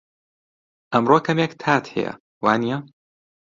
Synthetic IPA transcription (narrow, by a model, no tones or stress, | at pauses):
ʔɐmroːkʰɐmjɛkt̪ʰaːt̪hɛ̰jɐ̰ | waːnijɐ